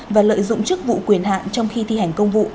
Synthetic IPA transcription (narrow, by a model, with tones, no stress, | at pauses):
vaː˨˩lə̰ː˧˨jzʊ̰˧˨ŋ͡mt͡ɕɨ˦˥k̚vṵ˧˨kwi˨˩ənɦa̰ː˧˨nt͡ɕɔ˧wŋ͡mxi˧t̪ʰi˨˧˩ha˨˩jŋ̟kə˧wŋ͡mvṵ˧˨